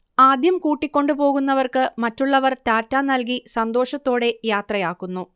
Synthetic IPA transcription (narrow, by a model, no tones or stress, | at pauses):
aːd̪jɐmkuːʈːikʲːo̞ɳɖɨpo̞ːɣunːɐʋɐrkɨmɐtːuɭːɐʋɐrtaːtːaːnːɐlk̬isɐnd̪o̞ːʂɐt̪ːo̞ːɽe̞jaːt̪rɐjaːkːunːu